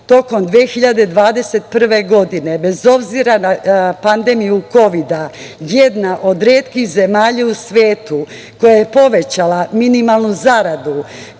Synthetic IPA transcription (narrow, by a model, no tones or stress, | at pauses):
t̪o̞ko̞md̪ʋexiʎad̪e̞d̪ʋaːd̪e̞se̞t̪̚pr̩ʋe̞ɡo̞d̪ine̞be̞zo̞bziɾanapand̪e̞mijuko̞ʋid̪a | jed̪naʔo̞d̪ɾeːt̪kixze̞maːʎausʋeːt̪u | ko̞jajepo̞ʋe̞t͡ɕalaminimalˠnuzaɾad̪u